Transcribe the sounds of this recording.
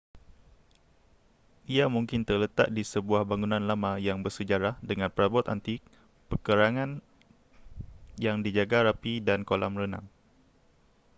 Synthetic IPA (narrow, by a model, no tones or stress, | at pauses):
ʔiamũŋkɪnt̪ərlət̪a̰ʔ̚disəbuahbaŋunãnlamãjaŋbərsəd͡ʒaɾahdəŋãnpəɾabɔt̪a̰nt̪i | pəkəɾaŋãn | jaŋdid͡ʒaɡaɾapidankolʔamrəna̰ŋ